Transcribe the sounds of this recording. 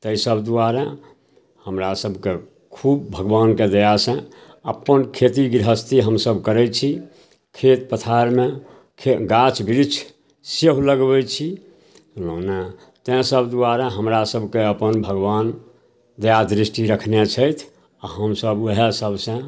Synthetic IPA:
t̪əisəbd̪uaɾẽ | həmɾasəbʱke | kʰub̚ːʱəɡbanked̪əjasə̃ | əpːənkʰet̪iɡɾɦəst̪iɦəmsəbkəɾɛt͡ʃʰi | kʰet̪pət̪ʰaɾme | kʰeɡat͡ʃbiɾit͡ʃʰ | seɦləɡbɛt͡ʃʰi | lona | t̪ɛ̃səbd̪uaɾeɦəmɾasəbʱkeəpənbʱəɡban | d̪əjad̪ɾisʈiɾəkʰnet͡ʃʰəjt̪ʰ | aɦəmsəbəɦesəbʱsə̃

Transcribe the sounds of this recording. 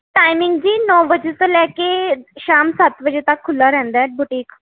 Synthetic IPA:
ʈaːɪmɪŋɡd͡ʒiːnɔ̃ːbəd͡ʒeːt̪õlɛːkeːʃaːmsət̪bəd͡ʒeːt̪əkʰːʊlːaːɾɛ̃ːnd̪aːbʊʈiːk

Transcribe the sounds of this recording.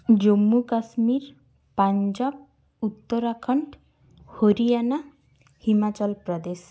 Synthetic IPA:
d͡ʒomːukasmiɾ | paɲd͡ʒab̚ | ut̪ːɔɾakʰɔɳʈ | hoɾiana | himat͡ʃɔlpɾɔd̪es

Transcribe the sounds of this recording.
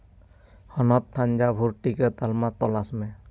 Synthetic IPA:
hɔnɔt̪ʰːaɲd͡ʒabʱuɾʈikɛt̪almat̪ɔlasmɛ

